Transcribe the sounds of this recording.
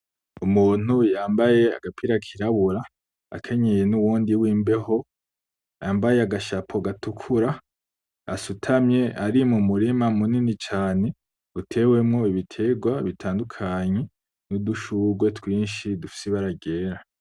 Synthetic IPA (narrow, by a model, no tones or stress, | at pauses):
umuːn̥ujaːmbaje̞a̰ɡapʰiɾakʰiɾaβuɾa | a̰kʰe̞ɲe̞je̞nuwuːndiwiːmbe̞ho̞ | aːmbaje̞aɡaʃapʰo̞ɡatukʰuɾa | asutʰamɲe̞ʔaɾimumuɾimamuninit͡ʃaːne̞ | utʰe̞ːwe̞mŋo̞iβitʰe̞ɡwaβitʰaːndukʰaɲe̞ | nuduʃuɡwe̞twiːnʃidufi̥seβaɾaɡe̞ːɾa